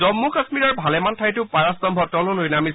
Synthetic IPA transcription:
ɔmːukasmiɹɔɹbʱalɛmantʰajtʊpaɹastɔmbʱɔtɔlʊlojnami

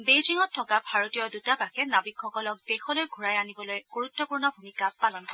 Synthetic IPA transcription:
bejziŋɔttʰːɔkabʱaɹotijɔdutabakɛnabikxɔkɔlɔk̚dexɔlojɡʱuɹajanibɔlojɡ̥oɹutːɔpuɹnɔbʱumikapalɔnkʰɔ

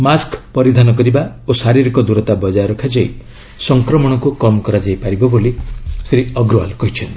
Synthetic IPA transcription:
maskpɔɾid̪ʱanɔk̬ɔɾiba | osaɾiɾikɔd̪uɾɔt̪abɔd͡ʒaɾɔkʰad͡ʒɔj | sɔŋkɾɔmɔɽ̃ɔkukɔmɔkɔɾad͡ʒajpaɾibɔbolisɾiɔɡɾɔa̰lkɔɦit͡ʃʰɔnt̪i

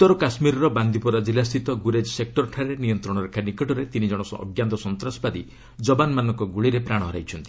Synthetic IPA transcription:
ut̪ːɔɾɔkasmiɾɔɾɔband̪ipɔɾad͡ʒilast̪ʰit̪ɔɡuɾed͡ʒɔsek̚ʈɔɾɔʈʰaɾenijɔnt̪ɾɔɽ̃ɔɾekʰanikɔʈɔɾet̪inid͡ʒɔɽ̃ɔsɔ̰ɡjant̪ɔsɔnt̪ɾɔsbad̪i | d͡ʒɔbanmanɔŋkɔɡuɭiɾepɾaɽ̃ɔɦɔɾa̰jt͡ʃʰɔnt̪i̥

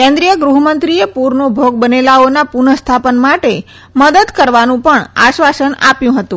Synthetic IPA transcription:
kẽnd̪ɾijəɡɾuɦmənt̪ɾiepuɾnobʱoɡbənelaonapuɳəst̪ʰapənmaʈe | məd̪əd̪kəɾʋanũpəɳa̰ʃʋasəna̰pjũɦət̪ũ

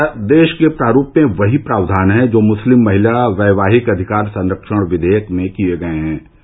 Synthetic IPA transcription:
d̪eːʃkepɾaːɾuːpmẽʋɐɦipɾaːʋd̪ʱaːnɦɛ̃d͡ʒoːmʊslɪmːɐɦɪlaʋɛːʋaːɦɪkɐd̪ʱɪkaːɾsɐ̃nɾəkʃəɽ̃ʋɪd̪ʱeːjəkmẽkieɡɐeɦɛ̃ː

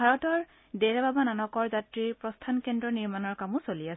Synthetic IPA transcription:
aɹɔtɔɹ | deɹabʱabananɔkɔɹzatɹiɹpɹɔstʰankendɹɔniɹmanɔɹkamusolias

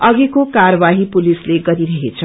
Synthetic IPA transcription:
ʌɡikokaɾʌbaɦipulisleɡʌɾiɾʌɦet͡sʰʌ

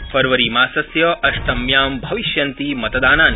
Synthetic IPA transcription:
fɐɾʋɐɾiːmaːsɐsjɐʔɐʃʈ̪ɐmjaːmbʱɐʋiʃjɐnt̪imɐt̪ɐd̪aːnaːn

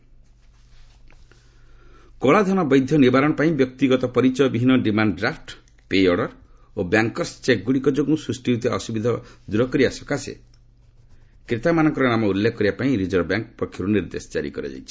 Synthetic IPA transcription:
kɔɭad̪ʱɔnɔbɔjd̪ʱjɔnibaɾɔɽ̃ɔpaĩbjɔk̚t̪iɡɔt̪ɔpɔɾit͡ʃɔjɔbiɦinɔɖimanɖɖɾapʰʈ | pejɔɽɔɾ | objaŋkɔɾst͡ʃek̚ɡuɽikɔd͡ʒoɡusɾusʈiɦut̪ɔsubid̪ʱɔd̪uɾɔkɔɾiasɔ̥kasḛ | kɾit̪amanɔ̃ŋkɔɾɔnamɔulːekʰɔkːɔɾiapaĩɾid͡ʒɔɾbjaŋk̚pɾɔkʰːiɾuniɾd̪esɔ̥d͡ʒa̰ɾḭkɔɾḛd͡ʒa̰jt͡ʃʰi̥

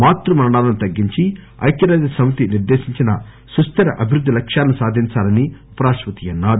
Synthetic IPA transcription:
maːt̪ɾumɐnɐɽaːlɐnut̪ɐɡːiɲt͡ʃi | ɐ̰jkjɐɾaːd̪isɐmɐt̪iniɾd̪eːʃiɲt͡ʃinɐ | sust̪ɐɾɐʔɐbʱiɾud̪ːilɐkʂjaːlɐnusaːd̪ʱiɲt͡ʃaːlɐni | pɐɾaːʃʋɐt̪ijɐnːaːd̪

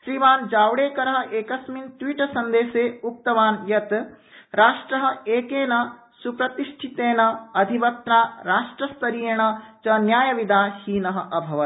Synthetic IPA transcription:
ʃɾiːʋaːnd͡ʒaːwɽeːkɐɾɐɦɐ̆ʔeːkɐsmint̪ʋiːʈɐsɐnd̪eːseːuk̚t̪ɐʋaːnjɐt̪ | ɾaːʂʈɾɐɦɐ̆eːkeːnɐ | supɾɐt̪iʂʈʰit̪eːnɐɐd̪ʱiʋɐt̪naːɾaːʂʈɾɐst̪ɐɾijeːɳɐt͡ʃɐnjaːjɐʋid̪aːhiːnɐɦɐ̆ʔɐbʱɐʋɐt̪

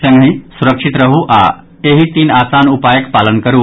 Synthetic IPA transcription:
sɐ̃ŋɡɦĩsuɾəkʂit̪ɾɐɦuʔa̰ | eɦit̪iːnaːsaːnupaːjəkpaːlənkɐɾuː

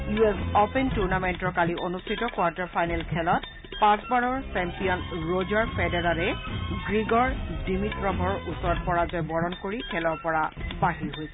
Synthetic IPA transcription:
juesɔpɛntuɹnamentɔɹkaliʔonustʰitɔkwaɹtɔɹpʰajnɛlkʰɛlɔt | pãsbaɹɔɹsɛmpijɔnɹozaɹpɛdɛɹaɹɛɡɹiɡɔɹdimitɹɔbʱɔɹusɔɹɔt̚pɔɹazɔjbɔɹɔnkoɹikʰɛlɔɹpɔɹabaɦiɹɦojsɛ

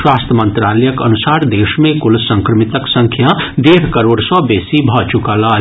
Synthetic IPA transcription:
ʃwaːst̪ʰəmə̃nt̪ɾaːlɛjəkə̰nʊsaːɾd̪eːʃmẽkʊlsə̃ŋkɾəmɪt̪əksə̃ŋkʰjad̪eːɾkəɾoːɽsɔbeːsibʱɔt͡ʃʊkala

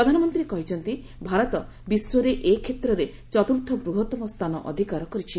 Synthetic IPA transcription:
ɾɔd̪ʱanɔmɔnt̪ɾikɔɦit͡ʃʰɔnt̪i | bʱaɾɔt̪ɔ | biswɔɾeʔekʰet̪ɾɔɾe | t͡ʃɔt̪uɾt̪ʰːɔbɾuɦɔt̪ːɔmɔst̪ʰanɔ̰ʔɔ̰d̪ʱikaɾɔkɔɾit͡ʃʰi

